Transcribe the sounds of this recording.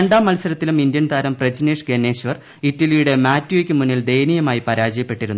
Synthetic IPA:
eɳɖaːmːɐlsɐɾɐt̪ːilumind̪jɐnt̪ʰaːɾɐmpred͡ʑɐneʂɡenːeːɕʋɐr | itːɐlijuɽe̞maːtːjuekʲːɨmunːild̪e̞jnijɐmaːjipɐɾaːd͡ʑɐjɐpːe̞ʈːiɾunː

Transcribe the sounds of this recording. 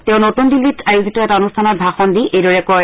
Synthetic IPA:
tɛʊ̃notundilːitʰajuzitɔɛtaonustʰanɔt̚bʱaxɔndiʔejdɔɹɛkɔj

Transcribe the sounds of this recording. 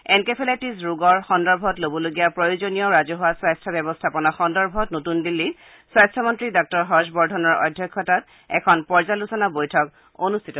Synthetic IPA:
ɛnkepʰelatis̬ɹuɡɔɹxɔndɔɹbʱɔtlobɔloɡijapɹojozonijɔɹazɔɦowaswajstʰabɛbɔstʰapɔnɔxɔndɔɹbʱɔtnotundilːi | swastʰɔmɔntɹidɔk̚tɔɹɦɔɹʃbɔɹdʱɔnɔɹɔ̰dʱjɔkʰːɔtat | ɛ̰kʰɔnpɔɹzalusɔnabojtʰɔk | onustʰitɔ

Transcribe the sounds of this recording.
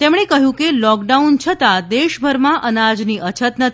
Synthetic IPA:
t̪emɽ̃ekəɦjũkelɔkɖaunt͡ʃʰət̪ad̪eʃbʱəɾmãʔənad͡ʒniʔət͡ʃʰət̪nət̪ʰ

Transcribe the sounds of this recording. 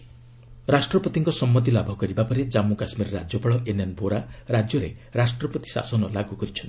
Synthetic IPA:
ɾasʈɾɔpɔt̪iŋkɔsɔmːɔt̪ilabʱɔkɔɾibapɔɾed͡ʒamukasmiɾɔɾa̰d͡ʒjɔpɔɭɔʔenanbʱoɾaɾad͡ʒjɔɾeɾasʈɾɔpɔt̪i̥sa̰sɔnɔlaɡukɔɾit͡ʃʰɔnt̪i̥

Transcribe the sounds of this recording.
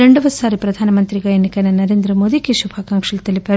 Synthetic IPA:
eɳɖɐʋɐsaːɾipɾɐd̪ʱaːnɐmɐnt̪ɾiɡɐjɐnikɐnɐnɐɾeːnd̪ɾɐmoːd̪ikeʃubʱaːkaːŋkʂɐlɐt̪ɐlːipɐ

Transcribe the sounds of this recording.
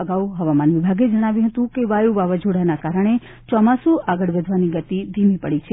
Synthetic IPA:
əɡauɦəʋamanʋibʱaɡed͡ʒəɽ̃aʋjũɦət̪ũkeʋajuʋaʋad͡ʒoɽanakaɾəɳ̃e | t͡ʃɔmasuʔaɡəɭʋəd̪ʱʋaniɡət̪id̪ʱimipəɽit͡ʃʰe

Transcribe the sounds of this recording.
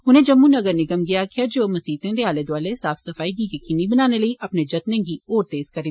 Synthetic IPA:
ɦʊnẽːd͡ʒəmːũːnəɡəɾnɪɡəmɡɪaːkʰɪaːd͡ʒoːməsiːt̪ẽːd̪eːaːleːd̪ʊaːleːsaːfʰsəfʰaːiːɡiːkekɪnibənaːneləiːʔəpneːd͡ʒət̪nẽːɡiːoːɾt̪eːz̥kəɾẽː

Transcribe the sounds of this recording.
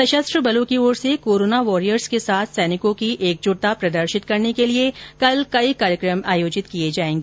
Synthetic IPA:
sɐʃəst̪ɾəbɐloːkioːɾsekoːɾoːnaʋɔːɾijəɾskesaːt̪ʰsɛːnɪkõkiʔeːk̚d͡ʒʊɽt̪apɾɐd̪əɾʃɪt̪kɐɾnekeliekɐlkɐikaːɾjəkɾəmaːjoːd͡ʒɪt̪kijed͡ʒaːẽːŋɡeː

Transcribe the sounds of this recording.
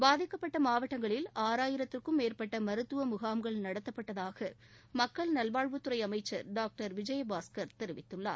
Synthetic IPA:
baːðɪkːɐpːɐʈːɐmaːʋɐʈːɐŋɡɐɭɪlaːɾaːjɪɾɐt̪ːɪrkɯmːeːrpɐʈːɐmɐɾɯt̪ːɯʋɐmʊɣaːmɡɐɭnɐɽɐt̪ːɐpːɐʈːɐðaːɣɐ | mɐkːɐɭnɐlʋaːɻʋɯt̪ːɯɾɐɪɐmɐɪt͡ʃːɐɾɖaːk̚ʈɐɾʋɪd͡ʒɐjɐbaːskɐɾt̪ɛɾɪʋɪt̪ːɯɭːa̰ː

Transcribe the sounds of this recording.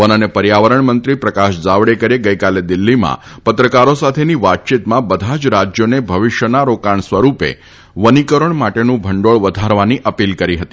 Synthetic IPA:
ənənepəɾjaʋəɾəɳmənt̪ɾipɾəkaʃd͡zaʋɽekəɾeɡəjkaled̪ilːimã̰pət̪ɾəkaɾosat̪ʰeniʋat̪̚t͡ʃit̪mãbəd̪ʱad͡ʒɾad͡ʒjonebʱəʋɪʃjənaɾokaɳsʋəɾupḛ | ʋənikəɾəɳmaʈenũbʱəɳɖoɭʋəd̪ʱaɾʋaniʔəpilkəɾiɦət̪i

